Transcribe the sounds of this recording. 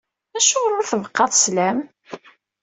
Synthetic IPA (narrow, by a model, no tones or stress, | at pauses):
æʃoʁɾʊɾθəvəqːɑðˤslæm